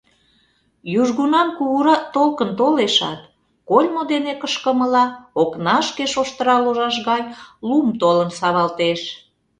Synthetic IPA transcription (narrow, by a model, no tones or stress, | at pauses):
juʒɣunɑmkuɣuɾɑt̪olkənt̪oleʃɑ̰t̪ | kolʲmod̪enekəʃkəməlɑoknɑʃkeʃoʃt̪əɾɑloʒɑʃ̬ɣɑnʲlumt̪olənsɑβɑlt̪eʃ